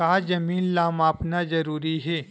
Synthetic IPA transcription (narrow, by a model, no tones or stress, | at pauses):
aːzɐmiːnlaːmaːpnazɐɾuːɾiɦɛː